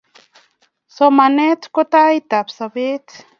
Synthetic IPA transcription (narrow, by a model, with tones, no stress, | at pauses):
so˨ma˨ne˦tko˦ta˦i˦ta˨bsa˨βe˦t